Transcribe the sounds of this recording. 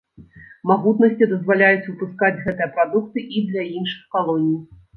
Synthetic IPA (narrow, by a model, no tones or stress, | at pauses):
maɣut̪nɐsʲt͡sʲid̪ɐzvalʲajut͡sʲupuskad͡zʲɣɛt̪ɨjɐpɾad̪uk̚t̪ɨʔid̪lʲɐinʂɨ̥xkalˠɔnʲij